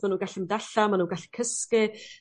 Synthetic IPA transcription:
manuːnɡaɬimdaɬamanuːnɡaɬi̥kʰəskɪ

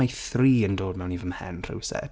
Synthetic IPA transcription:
ajθriːəndoːd̚mɛwnivəmhɛ̰nr̥ɨ̰wsɛ̰

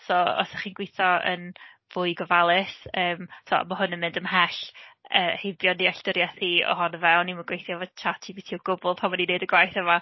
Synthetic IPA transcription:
sɔɔ̰səχiːnɡwejθɔə̰n | vʊɨɡɔvalˠɪsəːmsʰɔ̰maɦʊnəmɪ̃ndəmhɛɬəːhɪbjɔniaɬd̥ɪɾjaθiɔ̰hɔnəvɛwniməɡwejθjɔvɔd̥t͡ʃʰatʰibitʰiɔɡ̥ʊbʊlˠpʰamanineɨdəɡwajθəma

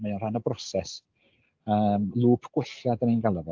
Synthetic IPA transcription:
majɔnr̥hanəbrɔsɛs | əːmlˠuːpʰɡ̥wɪɬjadənenɡalˠəvɔ

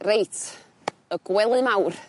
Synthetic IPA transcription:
rejtʰ | əɡwɛlˠɨmawr

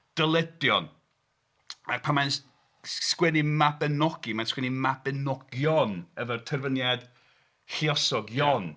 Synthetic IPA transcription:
d̥əlˠɛdjɔn | ak̚pʰamajn | skwɛnimabɛnɔɡ̥imanskwɛnimabɛnɔɡ̥jɔnəvərtʰərvənjad̥ | ɬiɔsɔɡjɔn

